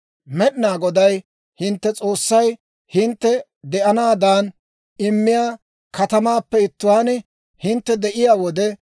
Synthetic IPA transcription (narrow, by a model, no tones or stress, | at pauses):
mɛɗɪnaːɡɔd̪ɐj | hɪnt̪ːɛt͡sʼo̞ːsːɐj | hɪnt̪ːɛ | d̪ɛʔɐnaːd̪aːn | ɪmːɪjaː | kɐt̪ɐmaːpːɛɪt̪ːʊwaːnɛ | hɪnt̪ːɛd̪ɛʔɪjaːwɔd̪ɛ